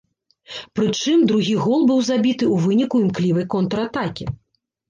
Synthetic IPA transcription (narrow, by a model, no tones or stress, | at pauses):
pɾɨt͡ʂɨmd̪ɾuɣʲiɣɔlˠbɨwzabʲit̪ɨuvɨnʲikuimklʲivɐjkɔnt̪ɾɐat̪akʲi